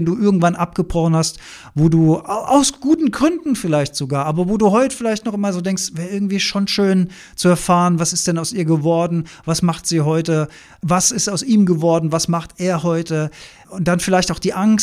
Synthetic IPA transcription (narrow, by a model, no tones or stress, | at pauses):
nduːʔɪɐɡŋ̩tv̥anʔapɡ̥əbʁ̥ɔχn̩hast | voːduːʔaʊsɡ̥uːtn̩ɡʁʏndn̩fɪlaɪçtz̥oɡaːɐʔaːbɐvoːduːɦɔʏtə̥fɪlaɪçtnɔχʔɪmazoːdɛŋkstvɛːɐʔɪɐɡŋ̩tv̥iːʃoːnʃøːn | t͡suɛɐfaːʁənvasɪstd̥ɛnaʊsiːɐɡəvɔɐdn̩vasmaχtz̥iːɦɔʏtə | vasɪstaʊsʔiːmɡəvɔɐdn̩vasmaχtʔeːɐɦɔʏtə | ʊnt̚d̥anfɪlaɪçtaʊxd̥iːʔaŋs